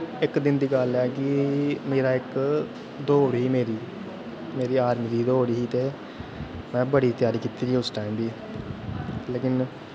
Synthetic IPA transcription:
ɪkd̪ɪnd̪iːɡəlɛːkɪmeːɾaːɪk | d̪oːɽɦiːmeːɾiː | meːɾiːaːɾmiːd̪iːd̪oːɽiːɦiːt̪eː | mɛ̃ːbəɽiːt̪ɪjaːɾiːkit̪iːɾiːʊsʈaːiːmbiː | leːkɪn

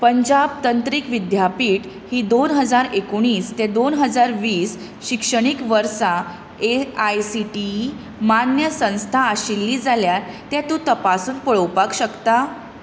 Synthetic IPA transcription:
pəɲd͡ʑab̚t̪ənt̪ɾikʋid̪japiːʈ | hiːd̪onɦəd͡zaɾekoɽ̃iːst̪ed̪onɦəd͡zaɾʋiːs | ɕikʂəɽ̃ikʋəɾsa | eajsiʈi | manjəsə̃w̃st̪ʰaːɕilːiːd͡zaljaɾt̪jat̪ũt̪əpasuːnpəɭəwpakɕəkt̪a

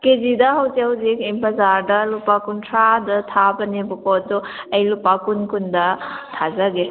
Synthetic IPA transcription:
kezidɐɦɐwzeɦɐwzikempɐzaɾdɐlupakuntʰɾadɐtʰabɐnebɔkɔdɔɐjlupakunkundɐtʰazaɡe

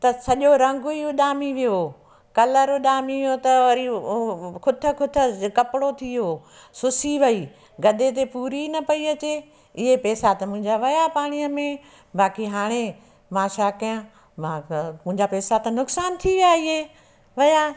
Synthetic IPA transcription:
t̪ɐsɐʄoɾɐ̃ŋɡʊiʊɗaːmiʋijo | kɐləɾʊɗaːmiʋijot̪ɐʋɐɾi | kʰʊt̪ʰə̆kʰʊt̪ʰə̆kɐpɽot̪ʰioː | sʊsiʋɐi | ɡɐd̪et̪̬epuːɾinɐpɐiɐt͡ɕe | ɪɦepɛːsat̪ɐmʊ̃ɦɪ̃ɲd͡ʑaʋɐjapaːɽ̃ijəmẽ | baːkiɦaːɽ̃e | maːʃaːkɐjə̃ | mamʊ̃ɦɪ̃ɲd͡ʑapɛːsat̪ɐnʊksaːnt̪ʰiaːɪɦe | ʋɐja

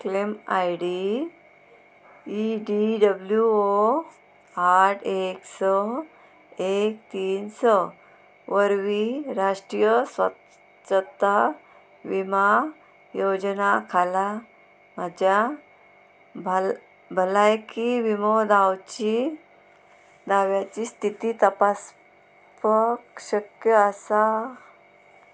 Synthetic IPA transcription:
klemajɽi | iɖiɖəbljuo | aʈʰeksɔ | ekt̪iːnsɔ | ʋəɾʋiɾaʂʈɾijəsʋə | t͡ɕət̪a | ʋima | jod͡ʑnakʰala | mad͡ʑja | bʱ | bʱəlajkiʋimod̪awt͡ɕi | d̪aʋjat͡ɕist̪ʰit̪it̪əpas | pəkɕəkjəːsa

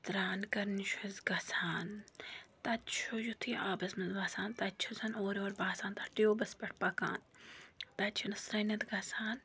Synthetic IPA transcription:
t̪ɾaːnkɐɾnʃʰuzɡɐsaːnt̪ɐtt͡ʃʰojut̪ʰiːaːbɐsmɐnzbaːsaːnt̪ɐtt͡ʃʰusʰɐnoːɾoːɾbaːsaːnt̪ɐʈijoːbɐspʲɐʈ̚ʰpɐka̰ːnt̪ɐt͡ʃʰinɐsɾɐnɐt̪ɡɐsaːn

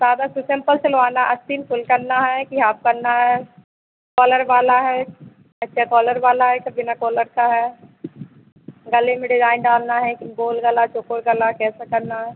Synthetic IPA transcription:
saːd̪asʊsɪ̃mpəlselʋaːnaʔɐst̪iːnfʰʊlkɐɾnaɦɛkiɦaːb̚kɐɾnaɦɛː | kɔːləɾʋaːlaɦɛː | ɐtːʃʰakɔːləɾʋaːlaɦɛkɐbɪnakɔːləɾkaɦɛː | ɡɐlemẽɖɪzaːɪnɖaːlnaɦɛkɪnɡoːlɡɐlat͡ʃʊkoɾɡɐlakɛːsakɐɾnaɦɛː

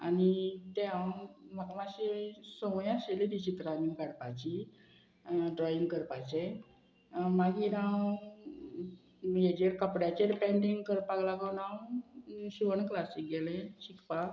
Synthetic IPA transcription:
a̰nit̪ɛamakamaɕesəmɔjãɕeled̪it͡ɕit̪ɾamikaɽpat͡ɕi | ɖɾɔiŋɡkəɾpat͡ɕe | maɡinãw | jed͡ʑeɾkəpɽjat͡ɕeɾipeɳɖiŋɡkəɾpaɡlaɡəwnãw | ɕiʋəɳklasik̚ɡɛlẽɕikpa

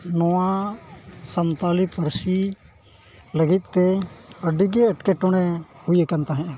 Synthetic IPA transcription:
nɔã | sənt̪aːlipəɾsi | ləɡɪt̪̚t̪eəɖiɡeəʈkeʈʊɽ̃ehʊekənt̪aɦɛ̃

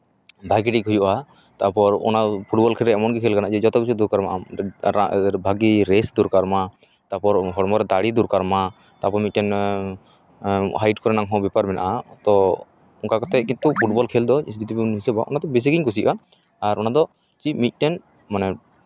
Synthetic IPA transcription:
bʱaɡiɖikɦujuʔa | t̪apɔɾɔ̰napʰuʈbɔlkʰɛlɾɛɛmɔnɡɛkʰɛlkanaʔd͡ʒɛd͡ʒɔt̪ɛk̚t͡ʃʰud̪uɾkaɾma̰ʔaabʱaɡiɾɛsd̪uɾkaɾma | t̪apɔɾɦɔɽmɔɾɛd̪aɽid̪uɾkaɾma | t̪apɔɾmit̪̚ʈɛn | ɦajʈkɔɾɛnaŋɦɔ̃bɛpaɾmɛnaʔat̪ɔ | ɔŋkakɔt̪ɛkint̪upʰuʈbɔlkʰɛld̪ɔsdit̪ipinɦisɛbaʔɔ̰nad̪ɔbis̬iɡiɲkus̬iʔaː | ɾʔɔnad̪ɔ | t͡ʃimit̪̚ˀʈɛn | manɛ

